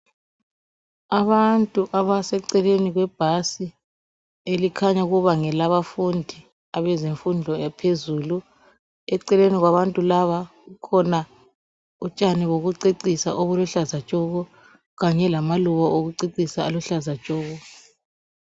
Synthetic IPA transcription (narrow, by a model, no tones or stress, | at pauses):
aβantʼuʔaβasɛǀɛleniɣwɛb̥ʱasi | elikʰaɲauɣuβaŋɛlaβafundʱi | aβɛzeɱfundʱɔjapʰezuːlu | ɛǀɛleniɣwaβantʼulaβaɣukʰɔna | ut͡ʃʼaniβoɣuǀeǀisa̰ʔoβulɔɬazḁt͡ʃʼɔɣɔ | ɣaɲɛlamaluβaʔoɣuǀeǀisaːlɔɬazḁt͡ʃʼɔːɣɔ